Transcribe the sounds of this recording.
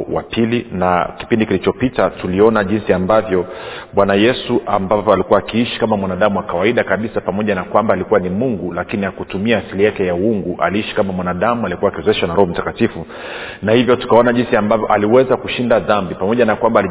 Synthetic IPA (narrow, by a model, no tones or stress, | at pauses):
wapilinaki̥pindikilit͡ʃɔpitatuliɔnaʄinsiambavjɔɓwanajɛsuʔambavɔalikuwaːkiiʃi̥kamamwanaɗamuwakawaiɗakaɓisapamɔʄanakwambaːlikuwanimuŋɡulakiniakutumiaːsilijakɛjauŋɡuʔa̰liiʃi̥kamamwanaɗamualikuwaːkiwɛzɔɛʃanaɾɔhɔm̩takatifu | nahivjɔtu̥kaɔnaʄinsiambavjɔʔaliwɛzakuʃindaðambipamɔʄanakwambaːli